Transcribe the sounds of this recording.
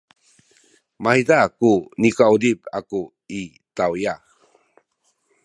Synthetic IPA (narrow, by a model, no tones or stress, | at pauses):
majdakunikaudipaku | i | tawjax